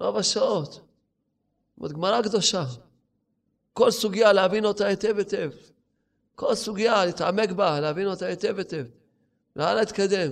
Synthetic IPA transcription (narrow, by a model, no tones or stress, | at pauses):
ɾobaʃaot̪ | mo̰t̪ɡmaɾakd̪oʃa | kolsuɡjaleavinot̪aet̪evet̪ev | ko̞lsuɡjalit̪ʕamekbaleavinot̪aet̪evet̪ev | lalait̪kad̪em